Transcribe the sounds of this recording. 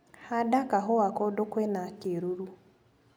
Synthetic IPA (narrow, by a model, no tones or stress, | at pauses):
hadakaɦowakɔdokwɛnakeɾuɾu